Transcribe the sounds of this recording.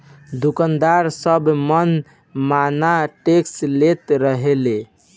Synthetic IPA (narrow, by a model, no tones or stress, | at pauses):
d̪ukənd̪aɾsəbmən | manaʈekslet̪ɾəɦele